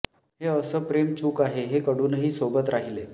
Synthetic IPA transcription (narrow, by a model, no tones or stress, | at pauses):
ɦeəsəːpɾemt͡ɕuːkaɦeɦekəɽuːnɦiːsobət̪ɾaɦile